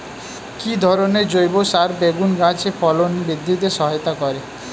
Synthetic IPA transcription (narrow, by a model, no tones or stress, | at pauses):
kid̪ʱɔɾoneɾd͡ʒojbosaɾbeɡunɡãt͡ʃʰepʰɔlonbid̪ʱːit̪esɔɦɔjt̪akɔɾe